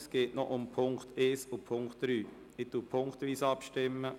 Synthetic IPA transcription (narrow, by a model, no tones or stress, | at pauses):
sɡ̥eːtnɔʔʊmpʰʊŋkt̪ʰeːsupʰʊŋktɾyː | ɪtuːpʰʊŋktʋiːsɑpʃtɪmːə